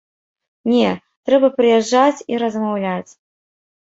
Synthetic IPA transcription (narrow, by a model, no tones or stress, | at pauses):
nʲɛ | t̪ɾɛbɐpɾɨjɛʐːat͡sʲiɾɐzmawlʲat͡sʲ